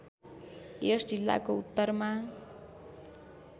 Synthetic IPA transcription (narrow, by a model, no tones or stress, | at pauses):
josd͡zilːa̰kout̪ːʌrma